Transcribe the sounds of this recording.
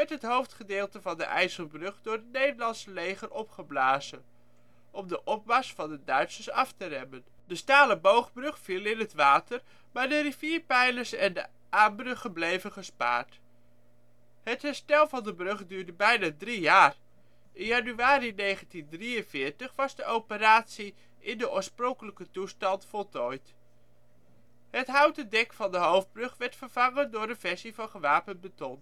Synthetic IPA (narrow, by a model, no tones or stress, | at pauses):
mɛtɦətɦowftχədeːlˠtəvɑndə̰ʔɛjsəlˠbrɵχdʊːɹətnejdəɹlɑnsəlejχərɔpχəblaːzən | ʔɔmdəʔɔp̚bɑsfɑndədœɥtsəsɑftərɛmən | dəstaːləbowχbrɵχfilˠɪnɦətʋaːtəɹ | maːɹdəriviːɹpɛjləsɛndə̰ | aːmbrɵχənblejvənχəspa̰ːɹt | hətɦɛɹstɛlˠvɑndəbrɵχdyːɹdəbɛjnadrijaːr | ʔɪnjɑnyaːɾinejχəntindriənvɪːɹtəχʋɑzdəʔowpəɾaːtsi | ʔɪndəʔʊːɹsprɔŋkələkətustɑntfɔlˠtɔjt | hətɦawtədɛkfɑndəɦowf̚brɵχʋɛɹtfəɹv̥ɑŋəndʊːɹdənv̥ɛɹsivɑnχəʋaːpən̚bətɔn